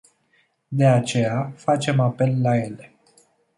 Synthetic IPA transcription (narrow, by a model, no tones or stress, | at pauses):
d̪e̞at͡ʃe̞jafat͡ʃe̞mape̞lːaje̞le̞